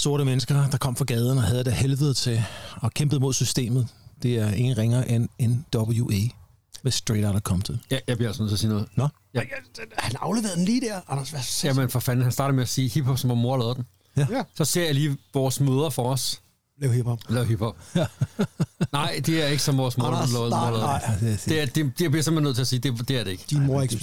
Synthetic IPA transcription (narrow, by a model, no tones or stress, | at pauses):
so̝ɐɾ̥əmenəsɡ̥ɐd̥ɑ̈kʰɒ̽m̰fʁɑ̈ɡ̥ɛːð̞ˠn̩ɒɦɛðˠd̥æhelʋəð̩ˠt͡sʰe̝ɒ̽kʰemb̥əð̩ˠmo̝ðˠsysd̥e̝̰ːmð̞̩ˠd̥e̝æɐe̝ŋn̩ʁeŋɐːʔenend̥ɒb̥l̩juʔe | mesd̥ʁeɾɐɾ̥ɑkʰɒ̽m̰t͡sʰe̝ljæjɑ̈b̥iɐelsnoð̩̰ˠt͡sʰeɐsiːnɔð̩ˠn | j̥hænɑ̈ʊleʋe̝ːɐð̩ˠdenliːd̥æɐɑnɐsʋæjæmenfɒfæn̰̩hænsd̥ɑ̈ːɾɐmeæsiːhib̥hɒ̽b̥sɒmʋɒmo̝ɐlɛːðˠd̥em | sɒ̽se̝ɐ̰jɑ̈ɪliːʋɒːsmøːð̞ˠɐfɒːs | ɛhibɔb̥lɛːʊɦib̥hɒ̽b̥̚ | nɑ̈ɪ̰d̥e̝æɐe̝ɡ̥əsɒ̽mʋɒːsmoðˠɐ̥lːˠmoɐlɛːð̥ˠed̥ed̥ebliɐe̝mb̥enːøð̰ˠt͡sʰe̝ɐsiːd̥e̝d̥e̝æɐɾe̝e̝ɡ̥əd̥imoɐeɡ